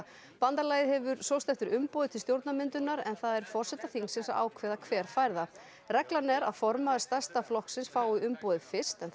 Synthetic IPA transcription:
pant̪alaːjɪðhɛvʏɾsowst̪ɛft̪ʏɾʏmpɔːðɪt̪ʰɪlst̪jowɾt̪namɪnt̪ʏnaɾɛ̰nθaðɛɾ̥fɔr̥sɛt̪aθiŋsɪnsaa̰ːwkʰvɛðakʰvɛːɾ̥fajɾða | rɛklanɛɾaðfɔɾmaðst̪ast̪aflɔhksɪnsfaːwɪʏmpɔːðɪðfɪ̥st̪ɛn

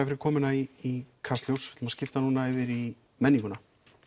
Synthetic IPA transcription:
fɪɾɪɾkʰɔːmɪnaiikʰarst̪ljowsvɛ̥t̪mascɪft̪anuːnaɛvɪɾi | mɛnːiŋkʏna

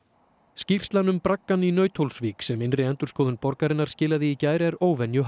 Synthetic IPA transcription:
scir̥st̪lanʏmpɾakːaninœːɥt̪ʰhowlsviːksɛmɪnrɪɛnt̪ʏɾ̥skɔːðʏnpɔɾkaɾɪnːaɾ̥scɪːlaðɪːcaːjɾɪɛɾoːwvɛnjʏɦ

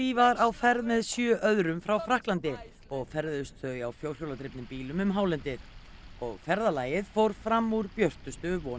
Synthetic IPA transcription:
iːvaɾawfɛɾðmɛðsjœːʔœðɾʏmfɾawfɾahklant̪ɪ | ɔɣfɛɾðʏst̪θœjawfjoːwr̥jowlat̪ʰɾɪpnɪmpiːlʏmʏmɦaːwlɛnt̪ɪ | ɔɣfɛɾðalaːjɪðfowɾ̥fɾamːuɾpjœr̥t̪ʏst̪ʏvɔː

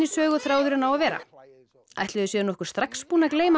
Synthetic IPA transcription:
ɪsœːɣʏθɾaːwðʏɾɪnawaðvɛːɾa̰ | a̰jht̪lɪðʏsjɛðnɔhkʏ̥st̪ɾakspuːnakleːjma

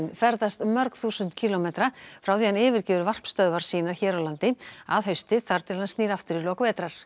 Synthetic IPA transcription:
nfɛɾðast̪mœɾkθuːsʏnt̪cʰiːlɔmeːt̪ɾafɾawθihanɪːvɪɾ̥cɪːvʏɾvar̥pst̪œðvaɾ̥siːnaɾ̥çɛːɾawlant̪ɪaðɦœɥst̪ɪθaɾ̥t̪ʰɪlansniːɾaft̪ʏɾilɔːkvɛːt̪ɾaɾ̥

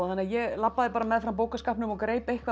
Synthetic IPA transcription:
anːaðjɛlapːaðɪpaːɾamɛðfɾawmp̬oːwkaskaːhpnʏmɔɣkɾeːjpejhkva

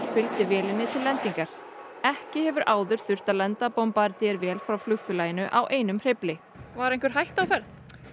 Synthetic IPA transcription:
ɾfʏlt̪ɪvjɛːlɪnːɪt̪ʰɪlːɛnt̪iŋkaɾ̥ | ɛhcɪhɛvʏɾʔaːwðʏɾ̥θʏr̥t̪aðlɛnt̪apɔwmpaɾt̪ɪɛɾvɛːlfɾawflʏxfʏlaːjɪnʏʔawʔeːjnʏmr̥ɪplɪ | vaɾejnkvʏɾ̥ɦajht̪awfɛɾθ

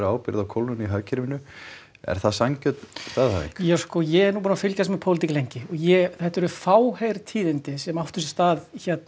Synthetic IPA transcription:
ɾaːwpɪɾðawkʰowlʏniɦaɥcʰɪɾvɪnʏ | ɛ̰ɾ̥θaðsaŋcœt̪st̪aːðha̰vḭŋkjaskɔjɛɛɾnuːpunnafɪlcasmɛpʰowlɪt̪icɪlejɲcɪɔɣjɛθɛht̪aɛɾʏfaːwhejɾt̪ʰiːðɪnt̪ɪsɛmaft̪ʏ̥sst̪aːðçɛt̪n

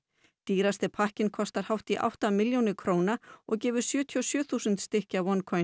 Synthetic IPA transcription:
t̪iːɾast̪ɪpʰahcɪnkʰɔst̪aɾ̥hawht̪iʔa̰wht̪amɪljownɪkʰɾoːwnaɔɣcɛːvʏɾ̥sjœːt̪ʰiɔsjœːθusʏnt̪st̪ɪhcawɔnkʰɔ

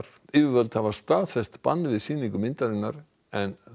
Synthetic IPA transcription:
ɾ | ɪːvɪvœlt̪havḁst̪aːðfɛst̪pa̰nːvɪðsiːniŋkʏmɪnt̪aɾɪnːaɾ | ɛn

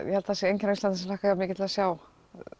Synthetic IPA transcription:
jɛ̰hɛlt̪aθasjɛejɲcɪnawist̪anθsɛmlaːkajaːmɪːcɪt̪ʰɪlðasjaːw

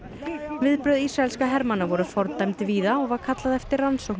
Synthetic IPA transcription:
vɪðpɾœðiːsɾaɛlskaɦɛɾmanːavɔɾʏfɔɾt̪ajmt̪viːðaɔɣvaɾkʰat̪laðɛft̪ɪrːansowkn

